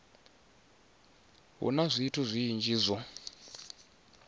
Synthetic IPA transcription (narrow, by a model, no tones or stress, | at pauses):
ɦṵnazʷiːtʰuzʷiːnd͡ʒiːzʷɔ